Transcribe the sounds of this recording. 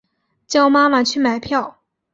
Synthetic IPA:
t͡ɕjɑ˥ʊma˥ma˨t͡ɕʰy˥˩ma˨˩ɪpʰjɑ˥˩ʊ

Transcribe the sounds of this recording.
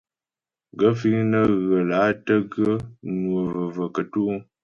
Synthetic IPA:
ɡə˦fi˦ŋnə˦ɣə˨la˨˦tə˦ɡə˦nwə˨və˨və˨kə˨tu˦

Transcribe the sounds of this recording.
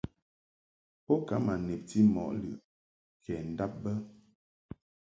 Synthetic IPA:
pɔ˦ka˨˦ma˨nɛ˨p̚ti˦mɔ̰˨ʔlɯ̰˨ʔ | kʰɛ˨n̩˨da˦p̚bə˦

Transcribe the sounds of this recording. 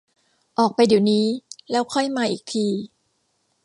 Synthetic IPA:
ʔɔː˨˩k̚pa˧jdiː˩˦wniː˦˥lɛː˦˥wkʰɔ˥˩jmaː˧ʔiː˨˩k̚t̪ʰiː˧

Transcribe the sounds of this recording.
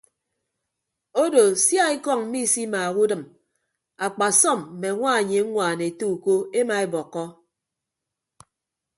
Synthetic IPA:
o˦do˨sja˦e˦kɔ˦˨ŋm̩˦mi˦˨si˦maː˨ɣu˦dɨ˨m | a˨k͡pa˨sɔ˦˨m̩˨me˨ŋʷa˦˨ɲe˨˦ŋʷaː˨ne˨e˨to˦u˨ko˦e˦ma˨e˦bɔ˨kːɔ˦

